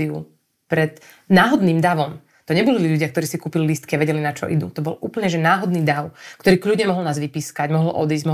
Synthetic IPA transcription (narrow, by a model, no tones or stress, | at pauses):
iṵ | pɾɛd̪ | naːɦɔd̪niːmd̪aʋɔm | t̪ɔɲɛbɔliiʎuɟɪakt̪ɔɾiːsikuːpililist̪kiaʋɛɟɛlinat͡ʃɔ̰ʔid̪ṵt̪ɔbɔlʔuːpl̩ɲɛʒɛnaːɦɔd̪niːd̪aʊkt̪ɔɾiːkʎuɟɲɛmɔɦlˠnaːzʋipiːskaɟmɔɦl̩ʔɔ̰d̪iːzɟmɔɦ